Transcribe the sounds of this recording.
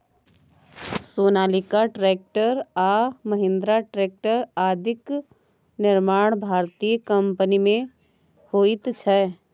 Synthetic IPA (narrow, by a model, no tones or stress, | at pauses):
soːnaːlɪkaʈɾeːk̚ʈəɾaːməɦɪ̃nd̪ɾaʈɾeːk̚ʈəɾaːd̪ʱɪk | nɪɾmaːɽ̃bʱaːɾt̪ijkə̃mpənimẽ | hoːɪt̪t͡ʃʰɛ